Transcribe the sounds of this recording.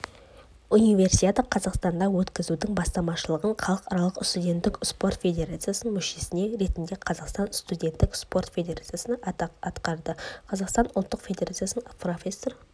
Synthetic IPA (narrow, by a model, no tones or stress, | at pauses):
unijvʲe̞rsijt̪ʲet̪əqʰɑzɑqst̪ɑnd̪ɑwɵt̪kʲɪzud̪ɪŋbɑst̪ɑmɑʃəlˠəʁəɴχʰɑlˠəqɑɾɑlˠəqst̪udʲe̞nt̪ːɪkspo̞rt̪fʲe̞dʲe̞ɾat̪sɨjasənmʏʃe̞sɪne̞ɾe̞t̪nd̪e̞qʰɑzɑqst̪ɑnst̪udʲe̞nt̪ːɪkspo̞rt̪fʲe̞dʲeɾat̪sɨjasənəɑt̪qɑɾd̪əqʰɑzɑqst̪ɑnʊlˠt̪ːəqfʲed̪ʲeɾat̪sɨjasnəŋprofʲesːo̞r